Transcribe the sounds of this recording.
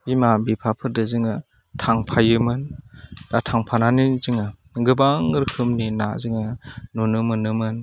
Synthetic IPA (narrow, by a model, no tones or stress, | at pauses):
imabipʰapʰɯɾdɯzɯŋɯ | tʰaŋpʰajɯmɯnd̥atʰaŋpʰananizɯŋɯɡɯbaŋɯɾkʰɯmnina̰zɯŋɯnunɯmɯnɯmɯn